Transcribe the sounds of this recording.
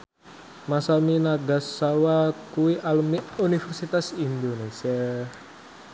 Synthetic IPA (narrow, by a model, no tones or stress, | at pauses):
masaminaɡasawakuiʔalumiunifɛrsit̪asindonesər